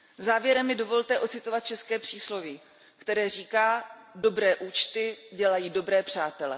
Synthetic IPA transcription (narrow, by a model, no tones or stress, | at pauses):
zaːvjɛɾɛmːɪdo̞vo̞lt̪ɛʔo̞t̪t͡sɪt̪o̞vat̪̚t͡ʃɛskɛːpr̝̥iːslo̞vi | kt̪ɛɾɛːriːkaːdo̞bɾɛːʔuːt͡ʃt̪ɪɟɛlajiːdo̞bɾɛːpr̝̥aːt̪ɛlɛ